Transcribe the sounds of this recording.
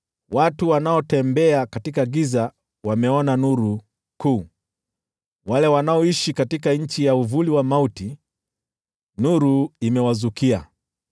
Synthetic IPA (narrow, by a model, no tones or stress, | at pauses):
watuwanaɔtɛmbɛakatikaɡiza | wamɛɔnanuɾu | kuː | walɛwanaɔiʃikatikaɲ̩t͡ʃijauvuliwamauti | nuɾuimɛwazukia̰